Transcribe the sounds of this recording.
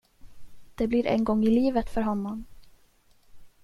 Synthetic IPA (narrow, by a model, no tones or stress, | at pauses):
d̪̥ɛblɪɾʔɛ̰nɡɔŋːɪliːvət̪fœɾɦɔnːɔm